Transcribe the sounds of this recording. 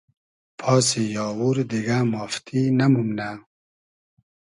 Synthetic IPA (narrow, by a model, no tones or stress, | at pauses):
pʰɑːs̬ijɑːwuɾd̪iɡamɔft̪ʰinamumna